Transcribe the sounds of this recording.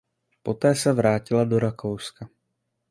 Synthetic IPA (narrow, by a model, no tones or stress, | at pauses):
po̞t̪ɛːsɛvɾaːcɪlado̞ɾakʰowska